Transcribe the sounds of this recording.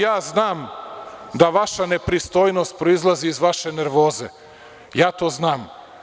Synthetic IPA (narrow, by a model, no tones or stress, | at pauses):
jaːznaːm | d̪aʋaʃane̞pɾist̪o̞ːjno̞st̪̚pɾoizlˠaziːzʋaʃe̞neɾʋo̞ːze | jaːt̪o̞ːznaːm